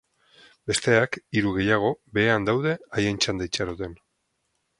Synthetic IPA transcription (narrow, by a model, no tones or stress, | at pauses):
be̞st̪e̞akiɾuɣe̞jaɣ̞o̞be̞ːand̪awðe̞ajent͡ʃand̪ajt͡ʃaɾot̪e̞n